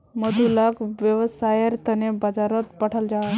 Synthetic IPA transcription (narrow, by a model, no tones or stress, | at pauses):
məd̪ulakʋjəʋsajəɾt̪ənebad͡zaɾət̪paʈʰald͡ʑa